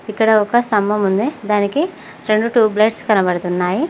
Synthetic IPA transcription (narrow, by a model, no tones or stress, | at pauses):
ikːɐɽɐɔkɐst̪ɐmbʱɐmund̪ed̪aːniki | ɾe̞ɳɖuʈuːblɐʈskɐnɐbɐɽɐt̪unːaːji